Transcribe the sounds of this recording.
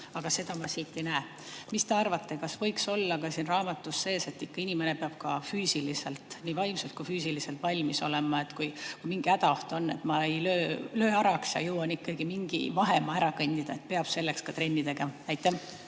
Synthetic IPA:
ɑɡ̥ɑse̞d̪ɑmɑsiːt̪ːˑenæː | mist̪e̞ɑrvɑt̪ːe̞kɑsvɤjkso̞lːɑkɑsiːnrɑːmɑt̪ːusːe̞ːse̞t̪ːikːɑinʲime̞ne̞peɑb̥kɑfyːsilise̞lt̪niːvɑjmselt̪̚kujfyːsilise̞lt̪vɑlʲmiso̞̰le̞mɑe̞t̪kujkujmiŋɡ̥iæd̪ɑoht̪o̞nːe̞̰t̪mɑe̞jløːløːɑɾɑksjɑ̰jɤwɑnikːɑɡimiŋɡ̥ḭvɑɦe̞mɑæɾɑkɤnʲd̪id̪̥ɑet̪̚pe̞ɑb̥se̞lːe̞kskɑt̪ɾe̞nʲːid̪e̞ɡɑæjt̪ːˑæ

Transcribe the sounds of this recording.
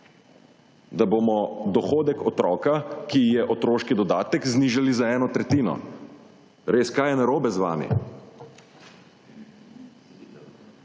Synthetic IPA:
d̪abomɔd̪ɔxoːd̪ɛkɔt̪ɾɔːkakijɛʔɔt̪ɾoːʃkid̪ɔd̪aːt̪ɛkzniːʒalizaɛːnɔt̪ɾɛt̪iːnɔ̰ | ɾeːskaːjɛnaɾoːbɛzʋa̰ːmḭ

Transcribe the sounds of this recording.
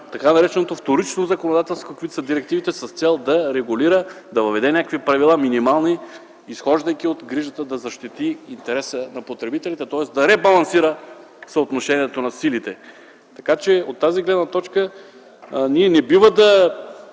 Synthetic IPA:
t̪ɐkanɐɾɛt͡ʃɛnot̪oft̪oɾit͡ʃnozɐkonod̪at̪ɛlˠskokvit̪səd̪iɾɛkt̪ivit̪ɛsəst̪sɛlˠd̪ɐɾɛɡʊliɾə | d̪ɐvɐvɛd̪ɛnʲakvipɾɐvilˠaminimalˠniː | sxɔʒd̪əjk̟iot̪ɡɾiʒət̪əd̪ɐzɐʃt̪it̪iint̪ɛɾɛsənɐpot̪ɾɛbit̪ɛlit̪ɛt̪ɔɛsd̪ɐɾɛbɐlˠɐnsiɾə | sɐot̪noʃɛniɛt̪onɐsilit̪ɛ | t̪ɐkat͡ʃɛot̪ːaziɡlɛd̪nɐt̪ɔt͡ʃkə | niɛnɛbivəd̪ɐ

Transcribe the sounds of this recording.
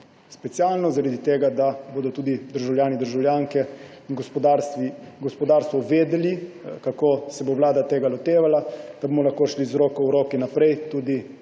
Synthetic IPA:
spɛt̪sjaːlnɔzaɾad̪it̪eːɡad̪aboːd̪ɔt̪uːd̪id̪əɾʒawljaːnid̪əɾʒawljaːŋkɛiɡɔspɔd̪aɾst̪ʋiɡɔspɔd̪aːɾst̪ʋɔʋeːd̪ɛlikakoːsɛbowlaːd̪at̪eːɡalɔt̪eːʋalad̪̥abomɔlaxkoːʃlizɾoːkɔwɾoːkinapɾɛjt̪uːd̪i

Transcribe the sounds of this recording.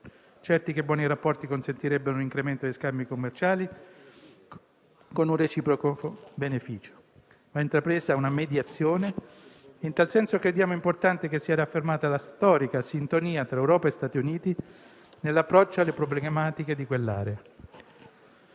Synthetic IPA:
t͡ʃɛrt̪ikebːwɔːniɾapːɔrt̪ikonsent̪iɾɛbːeɾoliŋkɾement̪od̪eskambikomːert͡ʃaːli | konunret͡ʃiːpɾokofobenefiːt͡ʃo̥ | maint̪ɾapɾeːzaunamed̪jat̪sːjoːne | int̪alsɛnsokɾed̪jaːmoimport̪ant̪ekesːiɛɾaafːermaːt̪alast̪ɔːɾikasint̪oniːat̪ɾaewɾɔːpaest̪aːt̪iuniːt̪i | nelːapːɾɔt͡ʃːoalːepɾoblemaːt̪iked̪ikwelːa̰ːɾea

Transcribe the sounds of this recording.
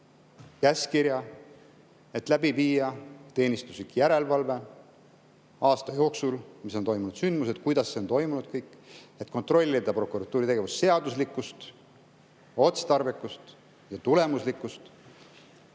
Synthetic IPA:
kæskiɾjɑ | e̞t̪ˑlæbiviːjɑt̪e̞ːnʲist̪usikjæɾe̞lvɑlve̞ | ɑːst̪ɑjo̞ːksulmiso̞nt̪o̞jmunud̪synd̪̥mused̪̥kujd̪̥ɑsːe̞ont̪o̞jmunud̪̥kɤjkːˑet̪ˑko̞nt̪ro̞lʲːid̪ɑpro̞kuɾɑt̪ːˑuːɾit̪e̞ɡe̞vusse̞ɑd̪uslikːˑust̪ | o̞t̪se̥t̪ɑrvikːˑust̪ | jɑt̪ule̞muslikːˑust̪

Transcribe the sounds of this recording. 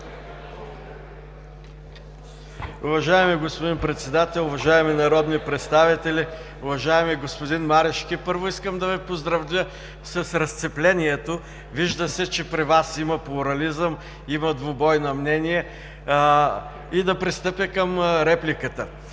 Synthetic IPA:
ʊvɐʒaɛmiɡospod̪inpɾɛt̪sɛd̪at̪ɛlˠʊvɐʒaɛminɐɾɔd̪nipɾɛt̪st̪avit̪ɛlʲi | ʊvɐʒaɛmiɡospod̪inmaɾɛʃkʲipɤɾvʊiskəmd̪ɐvipozd̪ɾɐvlʲə | sɐsɾɐst̪sɛplʲɛnʲiɛt̪o | viʒd̪əsɛt͡ʃɛpɾivasimɐplˠʊɾɐlizəm | imɐd̪vobɔjnɐmnɛniɛ | id̪ɐpɾist̪ɤpjəkəmɾɛplʲikət̪ə

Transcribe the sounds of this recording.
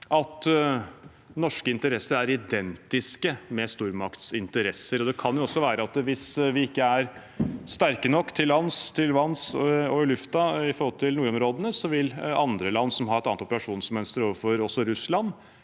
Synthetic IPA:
ʔɑt̪ | nɔʂkəɪnt̪əɾɛsːəɾæɾɪd̪ɛnt̪ɪskəmɛst̪uːɾmɑkt̪sɪnt̪əɾɛsːəɾɔd̪ɛkʰɑnjʊɔsːɔʋæːɾəɑt̪ʋɪsʋɪɪkːəæɾ | st̪æɾkənɔkːt̪ʰɪlːɑnːst̪ʰɪlʋɑnsɔɪlʉft̪ɑɪfɔɾhɔlt̪ʰɪlnuːɾɔmɾoːd̪ənəsɔʋɪlɑnd̪ɾəlɑnːsɔmɦɑɾɛt̪ɑnt̪ɔpəɾɑʂuːnsmœnst̪əɾoːʋəɾfɔɾɔsːɔɾʉslɑnː

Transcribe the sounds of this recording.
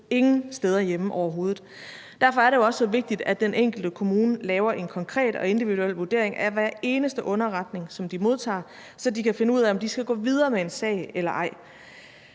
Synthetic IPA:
e̝ŋn̩sd̥eð̞ˠɐjeməʔɒʊɐɦo̝ːð̩ˠ | d̥æɐfɒ̽æɐɾe̝joɒ̽sɒʋe̝ɡ̥̚d̥id̥æd̥enʔeŋ̰ɡ̥l̩d̥əkʰo̝muːnəlɛːʊɐʔe̝nkʰɒ̽ŋkʰʁɛ̰ːd̥ɒ̽e̝nd̥iʋiðuel̰ʋuɐd̥e̝ɐeŋʔæʋæɐ̰e̝ːnəsd̥əʔɔ̽nɐʁɑ̈d̥ne̝ŋsɒ̽md̥imo̝ð̞ˠt͡sʰɑ̰̈ː | sɒ̽d̥ikʰæfe̝nəuð̰ˠæɒ̽md̥isɡ̥æɡ̥ɔ̰ːʋið̞ˠɐːmee̝nsɛ̰ɪelɐʔɑ̈ɪ̰

